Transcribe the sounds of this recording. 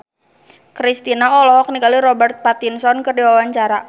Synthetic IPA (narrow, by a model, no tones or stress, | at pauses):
kɾist̪inaɔlɔɦɔk̚nikaliɾɔbɛrt̪̚pat̪insɔnkɨrdiwawaɲt͡ʃaɾa